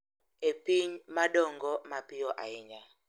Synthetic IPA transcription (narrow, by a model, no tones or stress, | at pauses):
epiɲmaɗɔŋɡɔmapijɔʔa̰ɛɲa